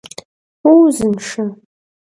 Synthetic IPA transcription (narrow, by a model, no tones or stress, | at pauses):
uwzɨnʂa